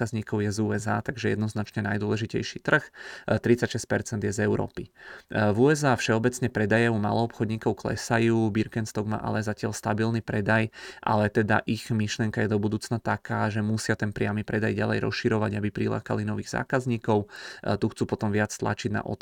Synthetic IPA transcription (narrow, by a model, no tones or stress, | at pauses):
kazɲiːkɔʊjɛzuɛzaːt̪aɡʒɛjɛ̰d̪nɔznat͡ʃɲɛnajd̪ʊwɔlɛʒicɛ̰jʃiːt̪r̩xt̪ɾit͡sacʃɛsc̚pɛɾt͡sɛnd̪jɛzɛʊɾɔ̰ːpivuɛzaːfʃɛɔbɛt͡sɲɛpɾɛd̪ajɛuma̰lɔɔpxɔd̪ɲiːkɔʊklɛ̰sajuːbiɾkɛnst̪ɔɡma̰ʔa̰lɛzacɪalst̪abilnipɾɛd̪ajʔa̰lɛt̪ɛd̪a̰ʔiɣmiʃlɪɛŋkajɛd̪ɔbud̪uːt͡snat̪akaːʒɛmusɪat̪ɛnpɾɪamipɾɛd̪ajɟalɛ̰jɾɔ̰sʃiɾɔʋaɟabipɾila̰ːka̰linɔʋiːɣza̰ːkazɲiːkɔʊt̪uxt͡suːpɔt̪ɔmʋɪat͡st̪la̰t͡ʃiɟ̪na̰ʔɔ̰t̪